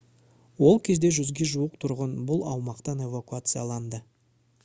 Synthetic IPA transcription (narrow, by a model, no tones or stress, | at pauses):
wo̞lˠkʲʰe̞zd̪e̞ʒʏzɡʲe̞ʒuəqt̪ʰʊɾʁənbʊlˠɑ̰wmɑqt̪ɑne̞vakuat̪sɨjɑlˠɑnd̪ə